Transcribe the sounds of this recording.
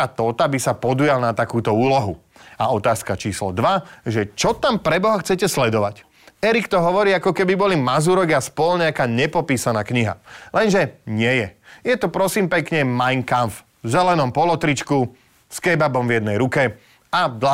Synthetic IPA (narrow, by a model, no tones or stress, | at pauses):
at̪ɔːt̪abisapɔd̪ujalnat̪akuːt̪ɔuːlɔɦuaɔt̪aːskat͡ʃiːslɔd̪ʋaʒɛt͡ʃɔt̪ampɾɛbɔɦaxt͡sɛcɛslɛd̪ɔʋac | ɛɾikt̪ɔɦɔʋɔɾiːakɔkɛbibɔlimazuɾɔɡaspɔlɲɛakaːɲɛpɔpiːsanaːkɲiɦa̰lɛnʒɛɲɪɛjɛjɛt̪ɔpɾɔsiːmpɛkɲɛmajŋkanf | zɛlɛnɔmpɔlɔt̪ɾit͡ʃku | skɛbabɔmvjɛd̪nɛjɾukɛ | ad̪la